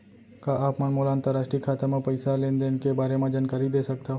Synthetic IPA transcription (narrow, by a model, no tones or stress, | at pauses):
kaʔaːpmɐnmoːlãːnt̪əɾaːʃʈɾikʰaːt̪amẽpɐɪsalẽːnd̪enkebaːɾemẽd͡ʒaːnkaːɾid̪eːsɐk̚t̪a